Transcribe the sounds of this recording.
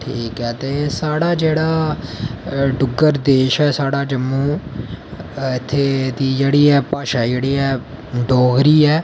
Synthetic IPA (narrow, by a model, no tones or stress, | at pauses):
ʈʰiːkɦɛːt̪eːsaːɽaːd͡ʒeːɽaː | ɖʊɡəɾd̪eːʃɛːsaːɽaːd͡ʒəmːũː | ɪt̪ʰːeːd̪iːd͡ʒeːɽiːɛːpaːʃaːd͡ʒeːɽiːɛː | ɖoːɡɾiːɛː